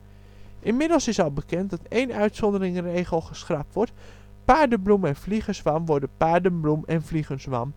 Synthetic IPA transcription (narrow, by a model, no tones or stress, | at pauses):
ʔɪnmɪdəlˠsɪsɑlˠbəkɛntdɑteːnœɥtsɔndərɪŋrejχəlˠχəsχrap̚tʋɔɹt | paːɹdəblumɛnvliχəsʋamʋɔɹdəpaːɹdənblumɛnfliχənsʋam